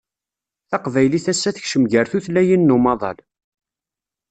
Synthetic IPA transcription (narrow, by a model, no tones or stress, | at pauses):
θɑqvæjliθæsːæθəçʃəmʝəɾθuθlæjinːumɑðˤɑ̰l